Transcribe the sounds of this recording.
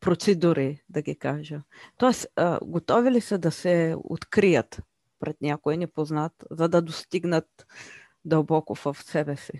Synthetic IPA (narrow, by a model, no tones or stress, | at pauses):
pɾot̪sɛd̪uɾid̪ɐɡʲikaʒət̪ɔɛsə̰ɡot̪ɔvilisəd̪ɐsɛo̰t̪kɾijət̪ | pɾɛt̪nʲakʊɛnɛpoznat̪zɐd̪ɐd̪ost̪iɡnət̪̚ | d̪ɐlˠbɔkʊfɐfsɛbɛsi